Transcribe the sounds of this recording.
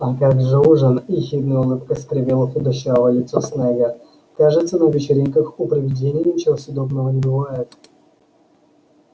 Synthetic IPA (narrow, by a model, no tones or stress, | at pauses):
akaɡʐɨuʐənixʲid̪nɨjəʊlˠɨpkəsʲt̪kɾʲɪvʲelˠəfɪd̪ɐɕavˠəlʲɪt̪sosnɛɡə | kaʐɨt̪sənəvʲɪt͡ɕɪɾʲinʲkəxʊpɾəvʲɪdʲenʲɪjnʲɪt͡ɕɪvosʊd̪obnəvənʲɪbɨvajɪt̪